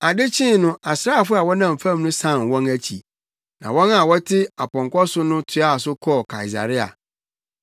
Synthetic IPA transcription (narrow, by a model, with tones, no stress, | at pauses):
a˨dɪ˦t͡ɕʰɪ̃˦nʊ̃˦ʔa˨sɾa˦˨fʊ˦a˨wɔ˦nã˦˨m̩˨fa˦˨m˦nʊ̃˦sã˦˨nwɔ̃˦næ˦t͡ɕʰḭ˨ | nã̰˨wɔ̃˦na˨wɔ˦tʰɪ˦a˨pʰɔ̃˨ŋkʷɔ˦sʊ˦nʊ̃˦tʰʊ˨˦a˦˨sʊ˦kʰɔ˦˨kʰa̰˨i˨s̬a̰˨ɾɪ˦a̰˨